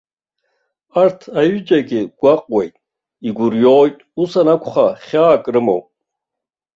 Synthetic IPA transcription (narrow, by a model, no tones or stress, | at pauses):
artʰajʊd͡ʒʼaɡʲɪɡ̥ʷaqʼwejtʼ | iɡʷʊrjoːjtʼusanakʷʰχaχʲaːkʼrɨmo̰w